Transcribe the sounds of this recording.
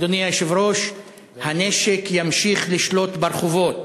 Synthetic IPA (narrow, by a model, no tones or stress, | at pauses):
d̪oniaʃevɾo̞ʃ | haneʃekjamʃiχliʃlo̞t̪baɾχuvot̪